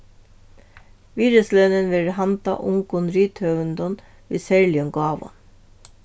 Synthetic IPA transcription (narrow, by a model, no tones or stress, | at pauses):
ʋiːɾəslœnənʋɪɾhɑnt̪ɑ̰ʔʊŋkʊnɾyːt̪ʰœʋnd̪ɔn | ʋiːsæɹɭɪɔŋɡɑːʋʊ̰n